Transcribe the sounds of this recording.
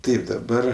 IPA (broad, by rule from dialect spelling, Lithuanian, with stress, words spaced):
ˈtɐɪp dɐˈbɐr